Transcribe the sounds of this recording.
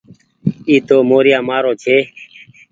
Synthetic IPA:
iːt̪oːmoːɾjãːmaːɾoːt͡ʃʰeː

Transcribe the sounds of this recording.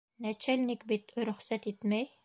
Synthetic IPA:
næt͡ʃælʲnikbit̪ɾɵ̆χsæt̪it̪mæj

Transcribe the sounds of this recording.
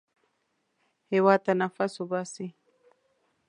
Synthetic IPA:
hewat̪anafasobasi

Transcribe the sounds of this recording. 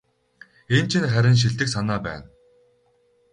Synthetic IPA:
ent͡ɕʰĭnχæɾʲɪ̆nʃ̬iɮt̪ɘ̆ksanaːpæ̰ːn

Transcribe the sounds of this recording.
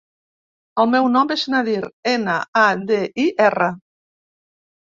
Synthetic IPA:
əlˠmɛwnɔmbeʃnaðiɾenaad̪eʔiʔɛrə

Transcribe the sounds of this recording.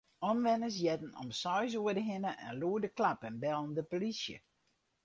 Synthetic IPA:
ɔmʋɛnəs̬jɛtn̩ɔ̰msɔjs̬uədəɦɪnəʔɛ̰nluədəklapənbɛlˠn̩dəpolisjə̰

